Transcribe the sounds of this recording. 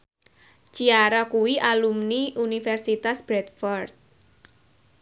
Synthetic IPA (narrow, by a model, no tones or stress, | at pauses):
t͡ʃiaɾakuwiʔalumniʔunifɛrsit̪asb̥ɾɛt̪fɔrt̪̚